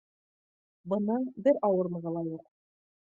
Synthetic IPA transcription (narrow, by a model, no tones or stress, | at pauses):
bɤ̆nːɑnbɘɾɑwɤɾmɤ̆ʁɤ̆lˠɑjuq